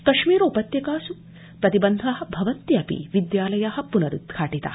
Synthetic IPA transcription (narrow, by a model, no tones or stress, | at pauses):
kɐʃmiːɾoːpɐt̪jɐkaːsu | pɾɐt̪ibɐnd̪ʱɐɦɐ̆bʱɐʋɐnt̪ːjiɐpḭʋid̪jaːlɐjaɦɐpunɐɾṵt̪kʰaːʈit̪a̰ː